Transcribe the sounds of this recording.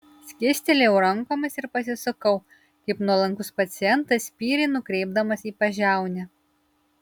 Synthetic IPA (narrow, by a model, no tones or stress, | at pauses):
sʲkʲɪsʲt̪ʲɪlʲɛʊɾɐŋkoːmʲɐsɪɾpɐsʲɪsʊkɐʊ | kɐɪpnuɔlˠɐŋkʊspɐt̪sʲɪjɛnt̪ɐsʲpʲiːɾʲɪnʊkɾʲɛɪbd̪ɐmɐsiːpɐʒʲæˑʊnʲɛ